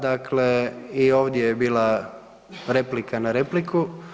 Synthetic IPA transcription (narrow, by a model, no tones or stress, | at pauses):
d̪akleio̞ːʋd̪jejebiːlˠa | ɾe̞plikanaɾepliku